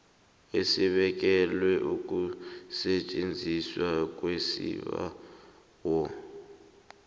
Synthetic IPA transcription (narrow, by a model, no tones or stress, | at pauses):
esiɓɛk̬ɛlwɛʔuk̬ʼusɛt͡ʃʼend͡zʱiswak̬ʼwesḭβa̰ | wɔ